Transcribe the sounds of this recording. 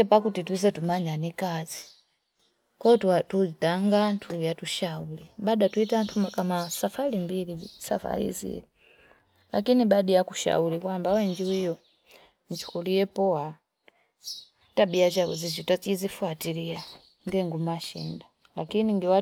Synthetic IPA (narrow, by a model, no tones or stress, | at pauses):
ɛpakutitwizɛtumaɲanikazi | kɔttuitaŋɡantʰulijatuʃauliɓaɗatuitantʰumakamasafalimbilisa̰fa̰ɾḭzḭɛ̰ | la̰kiniɓaɗijakuʃa̰ulikwambawɛɲd͡ʒiwijɔ | nt͡ʃu̥kulijɛpɔwa | taɓiat͡ʃaṵzizitat͡ʃizifuatilia | ŋɡɛŋɡumaʃḭnda | lakiniŋɡiwa